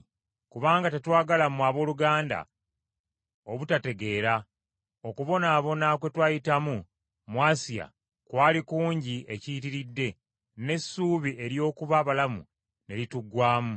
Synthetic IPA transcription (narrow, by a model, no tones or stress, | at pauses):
kuβaːŋɡate̞twaːɡalamuaβo̞ːluɡaːnda̰ | o̞βutate̞ɡe̞ːɾa | o̞kuβo̞naːβo̞nakwe̞twaːjitamu | mwaːsija̰ | kwaːlikuːɲɟiʔecitiɾidːe̞ | ne̞sːuːβie̞ɾjo̞ːkuβaβalamṵ | ne̞lituɡwaːmu